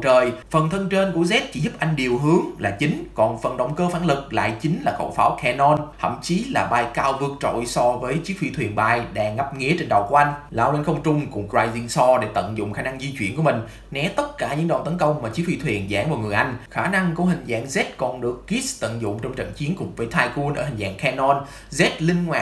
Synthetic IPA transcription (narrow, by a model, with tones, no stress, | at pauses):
wt͡ɕəː˨˩jfə˨˩nt̪ʰə˧nt͡ɕe˧nku˧˩əzɛ˦˥t̚t͡ɕḭ˧˩zʊ˦˥p̚ʔa˧jŋ̟ɗi˨˩əwɦɨ˨˦əŋlaː˨˩t͡ɕï˨˦ŋ̟kɔ˨˩nfə˨˩nɗə˨˩wŋ͡mkəː˧faː˧˦nlɨ˨˩k̚la̰ː˧˨jt͡ɕï˨˦ŋ̟laː˨˩xə̰˧˩wfaː˨˦wkʰɛ˧nɔ˧nt̪ʰə̰˧˨mt͡ɕi˨˦laː˨˩ɓaː˧jkaː˧wvɨ˧˩ək̚t͡ɕo̰˧˨jsɔ˧vəː˨˦jt͡ɕi˦˥k̚fi˧t̪ʰwi˨˩ənɓaː˧˩jɗɛː˨˩ŋa˦˥p̚ŋḭ˧˥ət͡ɕe˧nɗə˨˩wku˧˩˦ʔa˧jŋ̟laː˧˩wla˧nxə˧wŋ͡mt͡ɕʊ˧ŋ͡mkʊ̰˧˥ŋ͡mkzwaː˧jzi˧ŋsɔ˧ɗe˧˩t̪ə̰˧˨nzʊ̰˧˨ŋ͡mxaː˧˩na˧ŋzi˧t͡ɕwḭ˧˩ənku˧˩əmï˨˩ŋ̟ | nɛ˨˦t̪ə˦˥t̚kaː˧˩ɲɨ̰˧˥ŋɗə̰˨˩wt̪ə˨˦nkə˧wŋ͡mmaː˨˩t͡ɕi˨˦˥k̚fi˧t̪ʰwi˨˩ənza̰ː˧˩ŋvaː˨˩ŋɨ˨˩əjʔa˧jŋ̟xaː˧˩na˧ŋku˧˩əɦï˨˩ŋ̟za̰ː˧˥ŋzɛ˦˥t̚kɔ˨˩nɗɨ˨˩əkːi˦˥st̪ə̰˧˨nzʊ̰˧˨ŋ͡mt͡ɕɔ˧wŋ͡mt͡ɕə̰˧˨nt͡ɕi˨˦ənkʊ̰˧˩ŋ͡mvəː˨˦jt̪ʰaː˧jku˧nʔəː˧˩hï˨˩ŋ̟za̰ː˧˥˨ŋkʰɛ˧nɔ˧n | zɛ˦˥t̚lï˧ŋ̟ŋwaː˨˩